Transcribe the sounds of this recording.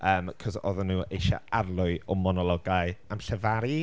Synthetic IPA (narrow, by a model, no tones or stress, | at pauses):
əːmkʰɔzɔ̰ðɔnːuːejʃa̰arlˠʊɨɔmɔnɔlˠɔɡaɨamɬəvaɾi